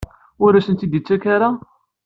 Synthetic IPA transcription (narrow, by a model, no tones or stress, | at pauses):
ʊɾæsənt̪id̪it͡sːækaɾa